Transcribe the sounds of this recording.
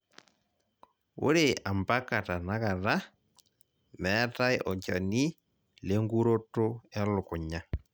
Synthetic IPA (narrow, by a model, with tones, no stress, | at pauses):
o̰˦ɾe˦a˨mba˦ka˨ta˨na˨˦ɣa˨ɾa˦ | mɛ˦ta˦jʔɔ˨t͡ʃa˨ni˦ | le˦ŋɡu˦ɾo˦to˦ɛ˦lʊ˨ku˨ɲa˨